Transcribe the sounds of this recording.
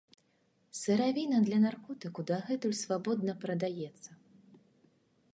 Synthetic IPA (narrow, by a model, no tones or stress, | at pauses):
sɨɾavʲinɐd̪lʲɐnarkɔt̪ɨkud̪aɣɛt̪ulʲsvabɔd̪nɐpɾɐd̪ajɛt̪sːɐ